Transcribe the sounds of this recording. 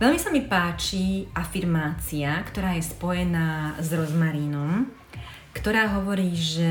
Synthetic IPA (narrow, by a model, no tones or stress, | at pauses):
ʋɛʎmisamipaːt͡ʃiafiɾmaːt͡siakt̪ɔɾaːjɛspɔjɛnaːzɾɔzmaɾiːnɔm | kt̪ɔɾaːɦɔʋɔɾiːʒɛ